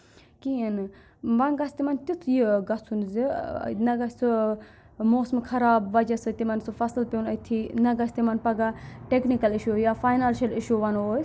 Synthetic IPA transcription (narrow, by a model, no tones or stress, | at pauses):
kiin | ʋɐnɡɐsʲt̪imɐnt̪it͡sʰjiɡɐt͡sʰunzḭnɐɡɐsʲt͡sʰɨ | moːsmɨkʰɐɾaːbʋɐd͡ʒɐsɨt̪imɐnsɨfɐsɨlpʲewnɐt̪ʰinɐɡɐsʲt̪imɐnpɐɡaʈeknikɐliʃujafaːjnaːnʃɐliʃuʋɐnoːj